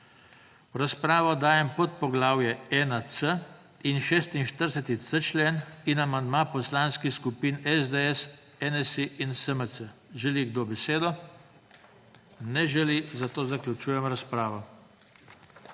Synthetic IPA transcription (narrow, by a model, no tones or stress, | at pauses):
ɾaspɾaːʋɔd̪aːjɛmpɔt̪̚pɔɡlaːwjɛɛːnasə | inʃeːst̪inʃt̪əɾsɛt̪it͡s̪ət͡ʃleːninamand̪mapɔslaːnskixskupinɛzd̪eɛs | ɛnɛsiʔinsəməsəʒɛliɡd̪oːbɛseːd̪ɔ | nɛʒɛlizat̪oːzaklʲut͡ʃuːjɛmɾaspɾaːʋɔ